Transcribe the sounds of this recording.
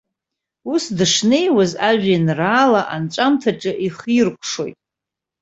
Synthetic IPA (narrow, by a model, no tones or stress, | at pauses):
usdɨʂne̞jwazaʒᶣanraːlaʔant͡ʃʷʼamtʰaʈ͡ʂʼɨʔiχirkʷʰʼʂo̞jtʼ